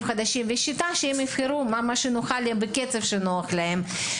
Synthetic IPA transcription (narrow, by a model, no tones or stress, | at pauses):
xad̪aʃimveʃit̪aʃeemifxeɾumamaʃenoχalebeket͡sefʃenoɐχlaɦem